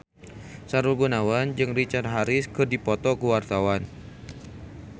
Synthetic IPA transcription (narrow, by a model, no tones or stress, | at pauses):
saɾulɡunawand͡ʒɨŋrit͡ʃart̪̚ɦaɾɪskɨrdipɔt̪ɔkuwart̪awan